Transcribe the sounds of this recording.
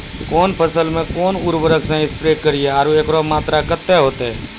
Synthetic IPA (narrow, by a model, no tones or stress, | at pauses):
koːnpəsəlmẽːkoːnuːɾʋəɾəksɛ̃ːɪspɾeːkəɾɪjeːaːɾuːeːkɾoːmaːt̪ɾaːkət̪ːeːɦoːt̪eː